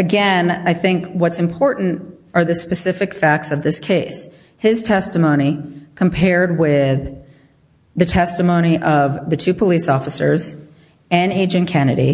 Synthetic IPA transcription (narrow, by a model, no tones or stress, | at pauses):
ɨɡɛ̃naɪθɪ̃ŋkwʌtsɨ̃mpʰɔɹʔn̩tʔə˞ðɨspɨsɪfɨkfæk̚tsʌvðɪskʰeɪs | hɪz̥tʰɛstɨmõʊ̃ñikʰə̃m̩pʰɛɹd̚wɪð | ɨtʰɛstɨmõʊ̃ɾ̃iʔʌvðɨtʰʉpʰəlisɔfəsə̰˞z | ɨ̃neɪd͡ʒɨ̃nkʰɛnɨ̰ɾḭ